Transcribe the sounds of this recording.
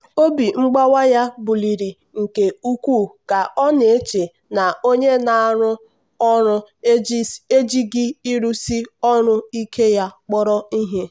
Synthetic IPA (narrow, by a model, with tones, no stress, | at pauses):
o˦bi˨ŋ͡m̩˦ɡ͡ba˦wa˦ja˦bu˨li˨ɾi˨ | ŋ̩˨ke˨u˦kʷu˦˨ka˨ɔ˦ne˨e˦t͡ʃe˨ | na˨o˦ɲe˦na˨a˨ɾʊ˦ | ɔ˦ɾʊ˦ | e˦d͡ʒi˦ɡɪ˦i˦ɾu˦si˦ɔ˦ɾʊ˦i˦kʰe˦ja˦k͡pɔ˦ɾɔ˦i˦ɦe˦